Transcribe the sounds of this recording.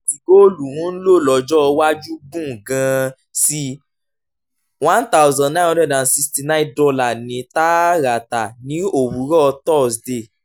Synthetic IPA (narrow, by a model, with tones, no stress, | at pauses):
i˨ɡo˦˨lu˨w̃ɔ̃˨˦lo˦˨lɔ˨˧d͡ʒɔ˦˧wa˦d͡ʒu˦ɡũ˦˨ɡã˨˧ | si˧ | wã˦nt̪a˦wzã˨nã˦˨ɔ˧˦dɛ̃˦˨dã˨si˧sti˧nã˦dɔ˧la˦˨nĩ˨˦ta˦ɾa˨ta˨nĩ˨˦o˨wu˨˦ɾɔ˦˧tɔ˦˨sde˦˨